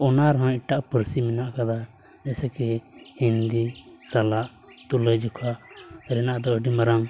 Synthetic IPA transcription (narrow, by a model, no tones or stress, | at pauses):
ɔnaɾɔɦãiʈaʔpəɾsimɛnaʔkad̪a | d͡ʒɛsɛkɛhind̪isalaʔ | t̪uləd͡ʒɔkʰaʔɾɛnaʔd̪ɔəɖimaɾaŋ